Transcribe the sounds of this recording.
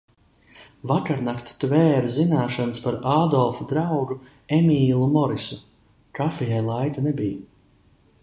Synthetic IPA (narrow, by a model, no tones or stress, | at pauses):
vakaɾnakt̪t̪vɛːɾuzinaːʃanɨspaɾaːd̪ɔlˠfud̪ɾawɡu | emiːlˠumɔɾisu | kafijajlˠajt̪anɛbij